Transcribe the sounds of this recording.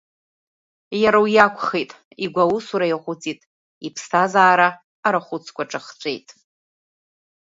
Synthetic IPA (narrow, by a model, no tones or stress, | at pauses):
jaɾawjakʷʰʼχejtʼ | iɡʷawusuɾajaχʷʊt͡sʼitʼ | ipʰstʰazaːɾa | aɾaχʷʊt͡sʰkʷʰʼaʈ͡ʂʼaχt͡sʷʼejtʼ